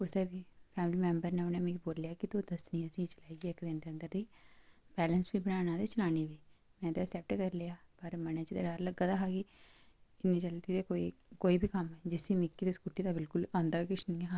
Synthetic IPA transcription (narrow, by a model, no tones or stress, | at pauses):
ʊseːbiːpʰɛːmɪliːmɛ̃ːmbəɾneːonẽːmɛ̃ːiboːljaːkɪt̪oːd̪əsnĩːəsĩːt͡ʃəlaːiːɡiːɛkd̪end̪eːənd̪əɾd̪iːbɛːlənsbiːbənaːnãːd̪eːt͡ʃəlaːniːbiːmɛ̃ːt̪eːsɛːp̚ʈkəɾleːaːpəɾmənẽːt͡ʃɪd̪eːɖaɾləɡaːd̪aːɦaːɡiː | ɪnĩːt͡ʃəlt̪id̪eːkoːikoːiːbʱiːkəmɛːd͡ʒɪsiːmɪkːiːd̪eːskuːʈiːd̪aːbɪlkʊlãːnd̪aːkɪt͡ʃʰnĩːɛɦa